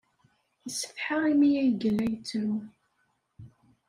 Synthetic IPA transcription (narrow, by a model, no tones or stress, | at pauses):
jəsə̥θħaʁimijæjəɡəlːæjət͡sːɾu